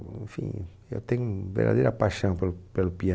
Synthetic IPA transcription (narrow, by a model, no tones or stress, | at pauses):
ẽfḭ̃ | ewt̪ẽɲũvḛɾd̪a̰d̪ejɾapaʃɐ̃w̃pelpelupiɐ